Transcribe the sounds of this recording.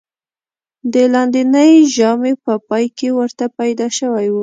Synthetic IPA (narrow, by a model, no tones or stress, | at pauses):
d̪əlɑnd̪inəjʒɑmepəpɑjkewəɾt̪apajd̪ɑʃəwajwu